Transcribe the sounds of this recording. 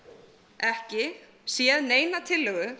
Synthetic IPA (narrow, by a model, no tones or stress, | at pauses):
ɛhcɪ | sjɛðneːjnat̪ʰɪlːœɣʏ